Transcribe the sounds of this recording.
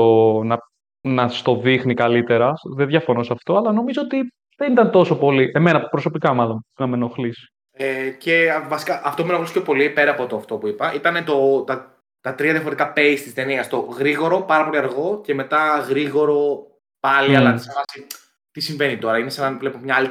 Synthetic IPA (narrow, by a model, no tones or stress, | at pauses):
onɐ | nɐst̪o̞ðixnikɐlit̪e̞ɾɐðeðʝɐfo̞no̞sɐft̪o̞ɐlɐno̞mizoot̪i | ðenit̪ɐnt̪o̞so̞po̞liʔe̞me̞nɐpɾo̞so̞pikɐmɐlo̞nnɐmeno̞xlisi̥ | ece̞vɐsi̥kɐʔɐft̪o̞pumenoliscʰopo̞lipe̞ɾɐpot̪oɐft̪o̞puipɐʔit̪ɐnet̪o̞t̪ɐ | t̪ɐt̪ɾiɐðjɐfoɾt̪ikɐpeist̪ist̪e̞niɐst̪o̞ɣɾiɣo̞ɾo̞pɐɾɐpo̞liɐɾɣo̞ce̞me̞t̪ɐɣɾiɣo̞ɾo̞ | pɐliɐlɐsevɐsi | t̪isiɱve̞nit̪o̞ɾɐinesɐnɐvlepomɲɐli